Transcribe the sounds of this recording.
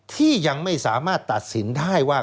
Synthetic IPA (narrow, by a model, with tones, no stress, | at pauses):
t̪ʰiː˥˩ja˧ŋma˥˩jsaː˩˦maː˥˩t̪ːa˨˩t̪̚si˩˦ndaː˥˩jwaː˥˩